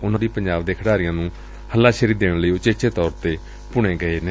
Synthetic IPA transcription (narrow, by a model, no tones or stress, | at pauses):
ʊnãːd̪iːpəɲd͡ʒaːbd̪eːkʰəɽaːɾɪjãːnũː | həlːãːʃəɾiːd̪eːɽ̃ləiːʊt͡ʃeːt͡ʃeːt̪ɔːɾt̪eː | pʊɳeːɡəeːneː